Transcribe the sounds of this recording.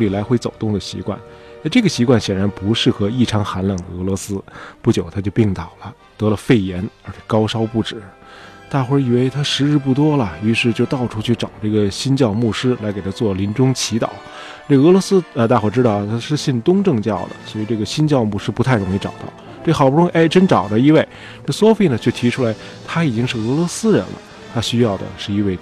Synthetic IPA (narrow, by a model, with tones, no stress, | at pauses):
li˨˩la˧˥ɪxwe˥ɪt͡so˨˩ʊt̪ʊ˥˩ŋd̪ə˩ɕḭ˧˥kwa̰˥˩na˥˧ʈ͡ʂɤ˥˩ɡə˩ɕi˧˥kwa˥˩nɕjɛ˨˩nɻa˧˥npu˧˥ʂɻ̩˥˩xɤ˧˥i˥˩ʈ͡ʂʰɑ˧˥ŋxa˧˥nlɑ˨˩ŋd̪ə˧ɤ˧˥lwɔ˧˥sɹ̩˥pu˥˩t͡ɕjo˨˩˦ʊt̪ʰa˥t͡ɕjo˥˧ʊpi˥˩ŋt̪ɑ˨˩ʊlə˦ | t̪ɤ˧˥lə˧fe˥˩ɪjɛ˧˥nə˞˧˥t͡ɕʰjɛ˨˩kɑ˥ʊʂɑ˥ʊpu˥˩ʈ͡ʂɻ̩˨˩˦t̪a˥˩xwɔ˧˥i˨˩we˥˧ɪt̪ʰa˥ʂɻ̩˧˥ɻ̩˥˧p̬u˥˩t̪wɔ˥lə˨y˧˥ʂɻ̩˥˧t͡ɕjo˥˧ʊt̪ɑ˥˩ʊʈ͡ʂʰu˥t͡ɕʰy˥˩ʈ͡ʂɑ˨˩ʊʈ͡ʂɤ˥˩ɡə˩ɕi˥nt͡ɕjɑ˥˧ʊmu˥˩ʂɻ̩˥la˧˥ɪke˨˩ɪa˥t͡swɔ˥˩li˧˥nʈ͡ʂʊ˥ŋt͡ɕʰi˧˥t̪ɑ̰˨˩˦ | ʈ͡ʂɤ˥˩ɡɤ˧˥lwɔ˧˥sɹ̩˥ə˧t̪a˥˩xwɔ˧˥˩ʈ͡ʂɻ̩˥t̪ɑ˥˩ʊ˩t̪ʰa˥ʂɻ̩˥˧ɕi˥˩nt̪ʊ˥ŋʈ͡ʂɤ˥˧ŋt͡ɕjɑ˥˩ʊd̪ə̰˩swɔ˧˥i˨˩ʈ͡ʂɤ˥˩ɡə˩ɕi˥nt͡ɕjɑ˥˧ʊmu˥˩ʂɻ̩˥˩pu˧˥a˥˩ɪɻʊ˧˥ŋi˧˥ʈ͡ʂɑ̰˨˩ʊt̪ɑ̰˥˩ʊ | ʈ͡ʂɤ˥˩xɑ˨˩pu˥ʊ˥i˥˩ʔe˥˩ɪʈ͡ʂə˥nʈ͡ʂɑ˨˩ʊd̪ə˦i˧˥˧we˥˩ɪ | ʈ͡ʂɤ˥˩ɡə˩swɔ˥fi˥˩nə˩t͡ɕʰjo˥˩t̪ʰi˧˥ʈ͡ʂʰu˥la˧˥ɪ | t̪ʰa˥i˨˩t͡ɕi˥ŋʂɻ̩˥˩ɤ˧˥lwɔ˧˥sɹ̩˥ɻə̰˧˥nlə̰˧ | t̪ʰa˥ɕy˥jɑ˥˩ʊd̪ə̰˩ʂɻ̩˥˩i˧˥nwe˥˩ɪ